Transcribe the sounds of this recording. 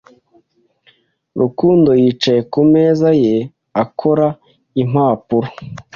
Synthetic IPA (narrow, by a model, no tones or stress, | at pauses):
ɾʔukuːndo̞jiːt͡ʃaje̞kume̞ːzaje | akʰoɾa | im̥aːpuɾo